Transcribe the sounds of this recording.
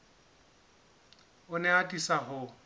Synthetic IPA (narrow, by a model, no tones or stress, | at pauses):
ʊnɛatʼisaɦʊ